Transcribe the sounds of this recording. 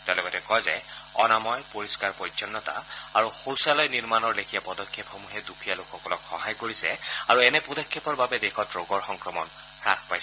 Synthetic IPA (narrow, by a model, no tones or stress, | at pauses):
tɛlɛbɔtɛkɔjzɛɔ̰namɔjpoɹiskaɹpɔjt͡ʃɔnːɔta̰aɹuxowsalɔjniɹmanɔɹlekʰijapɔdɔkʰːepxomuɦɛdukʰijalokʰxɔkɔlɔkxɔɦajkoɹisɛaɹuɛnɛpudɔkʰːepɔɹbabɛdekʰɔtɹoɡɔɹxɔŋkɹɔmɔn | ɹa̰kʰpajsɛ